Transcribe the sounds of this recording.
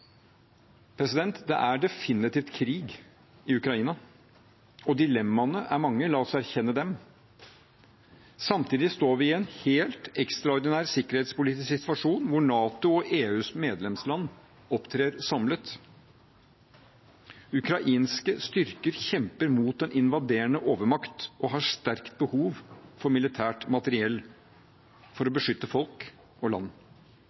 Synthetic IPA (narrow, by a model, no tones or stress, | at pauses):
pʰɾɛsɪd̪ɛnt̪d̪ɛ̰ʔæɖɛfɪnɪt̪iːft̪kʰɾiːɡ | ɪʉkɾɑiːnɑ | ɔd̪ɪlɛmːɑnəʔæ̰ɾmɑŋːəlɑːɔsɔæɾçɛnːəd̪ɛm | sɑmt̪ʰiːd̪ɪst̪oːɾʋɪɛnheːlt̪ɛkst̪ɾɑɔɾd̪ɪnæːɾsɪkəɾheːt̪spʊliːt̪ɪsksɪt̪ʋɑʂuːnʋʊɳɑːt̪ʊɔʔeːʉːsmeːd̪lɛmslɑnː | ɔpt̪ʰɾeːɾɔsɑmlət̪ | ʉkɾɑʔiːnskəst̪ʏɾkəɾçɛmpəɾmuːt̪ɛnʔɪnʋɑd̪eːɳəʔoːʋəɾmɑkt̪ɔɦɑʂt̪æɾkt̪̚bəhuːʋfɔɾmɪlɪt̪ʰæːʈmɑt̪əɾɪɛlː | fɔɾɔbəʂʏt̪ːəfɔlk | ɔlɑ̰nː